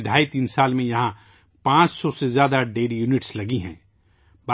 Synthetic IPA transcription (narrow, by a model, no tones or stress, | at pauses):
d̪ʱaːit̪iːnsaːlmẽjɐɦã | pãːt͡ʃsɔsezjaːd̪aɖeːɾjuːnɪʈslɐɡiɦɛ̰̃ː | ba